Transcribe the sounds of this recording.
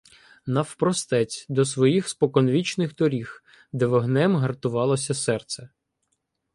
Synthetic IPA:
nɐwpɾɔst̪ɛt͡sʲd̪ɔsʋɔjixspɔkɔnʋʲit͡ʃnɪxd̪ɔɾʲix | d̪ɛʋɔɦnɛmɦɐrt̪ʊʋɑlˠɔsʲɐsɛrt̪sɛ

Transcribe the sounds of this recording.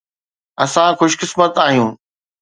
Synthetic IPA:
ɐsãxʊʃkɪsmət̪aːɦijũː

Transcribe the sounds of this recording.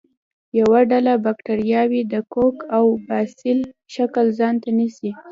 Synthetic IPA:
jawaɖalabakʈaɾjɑwid̪əkokawbɑsɪlʃakəlzɑnt̪anisi

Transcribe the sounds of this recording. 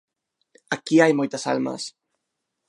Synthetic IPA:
akiajmojt̪asa̰lma̰s

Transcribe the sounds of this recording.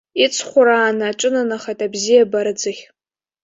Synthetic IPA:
it͡sʰχʷʊɾaːnɨːʈ͡ʂʷʼɨnanaχatʼabzijabaɾɨd͡zɨχʲ

